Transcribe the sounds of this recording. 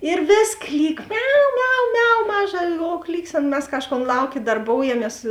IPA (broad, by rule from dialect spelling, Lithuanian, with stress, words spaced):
ɪr ˈʋʲeːs ˈklʲiːk ˈmʲɛʊ ˈmʲɛʊ ˈmʲɛʊ ˈmɑːˌʒɐ oː ˈklʲiːksʲeːnɐ mʲɛs ˈkɑːʃˌkoːn ˈlˠɐʊˌkʲeː dɐrˈboːʊjɛmʲiɛs